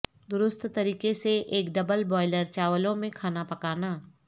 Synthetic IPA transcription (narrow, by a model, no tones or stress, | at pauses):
d̪ʊɾʊst̪ʰt̪ɐɾiːkeseʔeːkɖɐbəlbɔːɪləɾt͡ʃaːʋəlõmẽkʰaːnapɐkaːnaː